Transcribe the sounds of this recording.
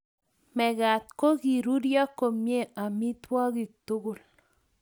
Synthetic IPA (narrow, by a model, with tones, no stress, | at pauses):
mɛ˨ɡa˨t̪̚ko˦ɡi˨ɾu˦ɾjɔ˦kːo˨mje˦a˨mi˦t̪wɔ˦ɡɪ˨t̪ʊ˦ɡʊ˦˨l